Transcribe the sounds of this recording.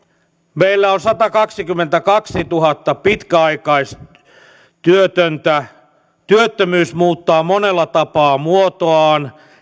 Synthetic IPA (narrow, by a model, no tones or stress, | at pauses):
meilːæonsɑt̪ɑkɑksikymːent̪ækɑksit̪uɦɑt̪ːɑpit̪kæɑikɑis | t̪yøt̪ønt̪æ | t̪yøt̪ːømyːsmuːt̪ːɑːmonelːɑt̪ɑpɑːmuot̪oɑːn